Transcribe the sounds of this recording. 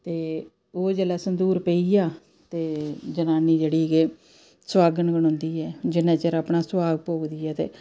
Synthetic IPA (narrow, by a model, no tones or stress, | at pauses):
t̪eː | oːd͡ʒeːlaːsənd̪uːɾpeiːjaː | t̪eːd͡ʒənaːniːd͡ʒeːɽiːke | swaːɡənəɡəɽ̃õːnd̪iːɛːd͡ʒɪnãːt͡ʃəɾaːpɳaːswaːɡpoːkd̪iːɛːt̪ḛː